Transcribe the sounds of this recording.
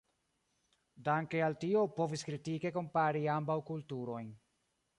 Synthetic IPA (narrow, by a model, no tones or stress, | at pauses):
daŋkealtio̞po̞viskɾitike̞ko̞mpaɾiambawkultuɾo̞jn